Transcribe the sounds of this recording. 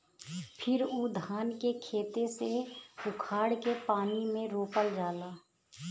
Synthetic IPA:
pʰɪɾoːd̪ʱaːnkekʰeːt̪eseʊkʰaːɽkepaːnimẽɾoːpəld͡ʒaːlaː

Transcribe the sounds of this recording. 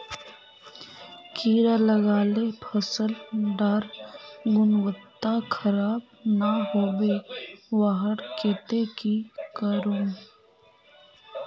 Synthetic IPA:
kiːɾaləɡaːlepʰəsəlɖəɾɡʊnwət̪ːakʰəɾaːb | naɦoːbeʋaɦəɽkeːt̪ekikəɾõː

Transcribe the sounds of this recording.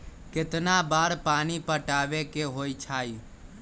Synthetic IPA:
kɪt̪nabaːɾpaːnipəʈaːʋekeɦoːit͡ʃʰaːiː

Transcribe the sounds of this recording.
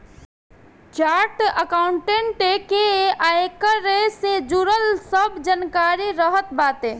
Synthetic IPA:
t͡ʃaɾʈəkaːʊɳʈeɳʈekeajkəɾesed͡ʒuɾəlsəbd͡ʒankaɾiɾəɦət̪bat̪e

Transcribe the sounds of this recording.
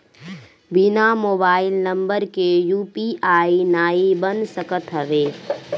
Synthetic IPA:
bɪnamoːbaːɪlnə̃mbəɾkejuːpiʔaːinaːibənsəkət̪ɦəʋeː

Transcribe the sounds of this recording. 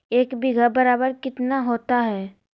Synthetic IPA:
eːkbɪɡʱəbɐɾaːbəɾkɪt̪naɦoːt̪aɦɛː

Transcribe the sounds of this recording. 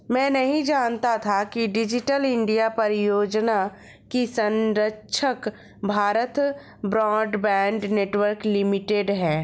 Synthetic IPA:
mɛ̃ːnɐɦĩd͡ʒaːnt̪at̪ʰakiɖɪd͡ʒɪʈəlɪ̃ɳɖijapɐɾjoːd͡ʒna | kisə̃nɾəkːʃʰək | bʱaːɾət̪ | bɾɔːɖbɛ̃ːɳɖneːʈwəɾklɪmɪʈeɖɦɛː

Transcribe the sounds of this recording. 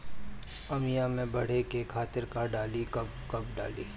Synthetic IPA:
ɐmijamẽbɐɽ̤ekekʰaːt̪ɪɾkaɖaːlikɐb̚ | kɐbɖa̰ːliː

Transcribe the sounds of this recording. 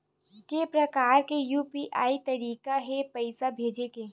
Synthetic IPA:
kepɾɐkaːɾkejuːpiʔaːit̪ɐɾiːkaɦɛpəɪsabʱeːd͡ʒekeː

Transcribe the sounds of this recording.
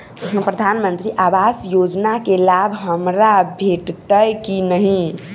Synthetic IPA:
pɾəd̪ʱanmənt̪ɾiʔabasjod͡ʒnakelabʱɦəmɾabʱeʈt̪əjkinəɦĩ

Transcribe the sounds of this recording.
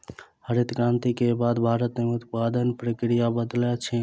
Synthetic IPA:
həɾit̪kãnt̪ikebad̪bʱaɾət̪meut̪pad̪ənpɾəkɾijabəd̪lɛt͡ʃʰi

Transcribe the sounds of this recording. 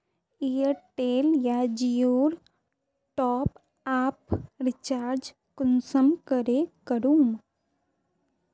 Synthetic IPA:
ijəɾʈeːljad͡ʒijoːɾ | ʈɔːp | aːpɾɪt͡ʃaːɾd͡ʒ | kʊnsəmkəɾekəɾuːm

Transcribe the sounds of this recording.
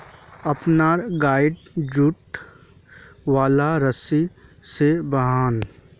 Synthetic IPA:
ɐpnaːɾɡaːɪɖd͡ʒʊʈ | ʋaːlaɾəsisebəɦaːn

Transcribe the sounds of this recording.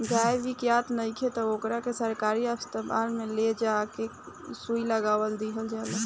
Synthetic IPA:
ɡaʋikjat̪nəikʰet̪ɔokɾakesəɾkaɾiəst̪əba̰lmeled͡ʒake | suiləɡawəld̪iɦəld͡ʒala

